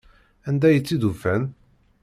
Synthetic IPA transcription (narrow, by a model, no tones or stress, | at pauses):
ænd̪æjət͡sːiðufæn